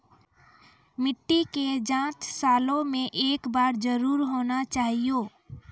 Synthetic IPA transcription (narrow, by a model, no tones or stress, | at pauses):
mɪʈːiked͡ʒãt͡ʃ̪salõmẽʔeːkbaːɾd͡ʒəɾuːɾɦonat͡ʃaɦijo